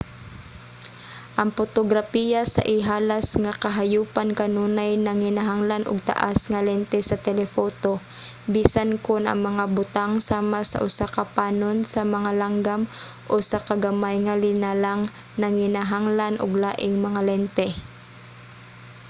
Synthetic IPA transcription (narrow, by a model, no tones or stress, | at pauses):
ʔɐŋpot̪oɡɾapijasɐ̰ʔɪɦaːlasŋakɐɦajuːpankɐnuːnajnɐŋhɪnaɦaŋlanʔʊɡ̚t̪a̰ʔasŋalɛnt̪ɛsɐt̪ɛlɛfoːt̪o | biːsankʊnʔɐ̰ŋmɐŋabʊt̪aŋsaːmasɐ̰ʔʊsakɐpaːnonsɐmɐŋalaŋɡam | ʔosakɐɡɐmajŋɐlɪnalaŋ | nɐŋhɪnaɦaŋlanʔo̰ɡ̚laːʔɪŋmɐŋalɛnt̪ɛ